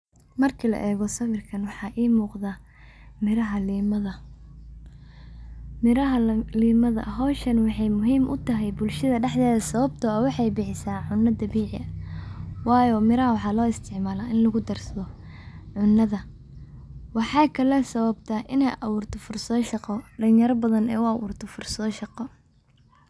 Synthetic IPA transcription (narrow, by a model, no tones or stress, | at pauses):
mɐrkʰilɐ̰ʔɛːɣɔsɐwɪrkʰɐnwɑħɑːʔiːmuːqðaː | mɪɾɐɦɐliːmɐðɐ | mɪɾɐɦɐliːmɐðɐ̰ɦɔːʃɐnwɑħɑjmʊɦiːmʔʊ̰t̪ʰɐɦɛjbʊlʃɐðɐɖɛħd̪ɛːðɐsɐβɐbt̪ʰɔːɐwɑħɑjbɪħɪsaːʕʊnːɐd̪ɐβiːʕɪʔɐ | wɑːjɔːmɪɾɐɦɐwɑħɑːlɔːɪst̪ʰɪʕmaːlaːɪnlɐɣʊd̪ɐrsɐðɔ | ʕʊnːɐðɐ | wɑħɑːkʰɐlɛsɐβɐb̚t̪ʰɐʔɪnɛjʔɐwuːrt̪ʰɔfʊrsɔʃɑqɔɖɐlɪjɐɾɐbɐðɐnɛ̰ːʊɐwṵːrt̪ʰɔfʊrsɐɔʃɑqɔ